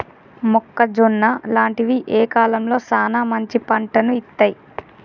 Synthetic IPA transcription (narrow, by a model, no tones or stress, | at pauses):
mɔkːɐd͡ʒunːɐlaːɳʈiʋiʔeːkaːlɐmlo̞ːsaːnaːmɐɲt͡ʃipɐɳʈɐnuit̪ːaːj